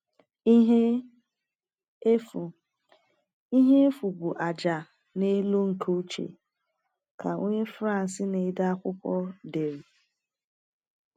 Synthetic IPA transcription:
ɦ | i˦ɦe˦e˦fu˨bu˨ʔa˨d͡ʒa˨ | ne˦lo˦ŋ̩˨kʰo˦u˦t͡ʃḛ˨ | ka˨o˦ɲe˦fɾa˦n̩˨sɪ˦ne˨˦da˦a˦kʷʊ˦kʷɔ˦de˨ɾi˨

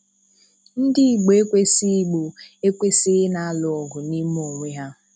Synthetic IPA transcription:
n̩˦dɪ˦i˨ɡ͡bo˨e˦kʷe˦si˦ɡ͡bo˨e˦kʷe˦si˦ɣɪ˦na˨a˦lʊ˦ɔ˨ɡʊ˨ni˦m˦o˨ŋʷi˦ɦa˦

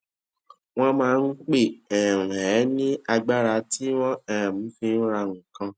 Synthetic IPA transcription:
w̃ɔ̃˦mãː˦˧˦n̩˦k͡pe˦˨ɛ˨ɾ̩̃˨ɛ˨˦nĩ˦a˧ɡ͡ba˦ɾa˧ti˦wɔ̃˦ɛ˦˨m̩̃˨˦fi˧n̩˦ɾa˧ŋũ˨kã˧

